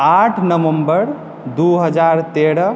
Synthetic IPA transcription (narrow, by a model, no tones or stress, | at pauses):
aʈʰnəʋəmbəɾ | d̪uɦəd͡ʒaɾt̪eɾə